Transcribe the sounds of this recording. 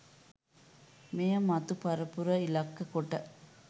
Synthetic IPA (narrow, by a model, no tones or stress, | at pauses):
meːjɐmɐt̪ːɯpɐɾɐpːʊɾɐɪlɐkːɐkɔʈːɐ